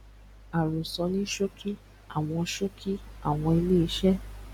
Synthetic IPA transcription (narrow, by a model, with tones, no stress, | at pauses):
a˨ɾũ˨sɔ˧˦nĩ˦ʃo˦kʰi˦ | a˦˨w̃ɔ̃˧ʃo˦kʰi˦a̰˦˨w̃ɔ̃˧e˧le˦˧˦ʃɛ˦